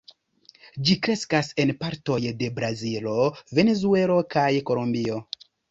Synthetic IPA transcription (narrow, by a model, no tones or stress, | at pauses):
d͡ʒikɾe̞skase̞npaɾto̞jde̞bɾazilo̞ve̞ne̞zue̞lo̞kajko̞lombio̞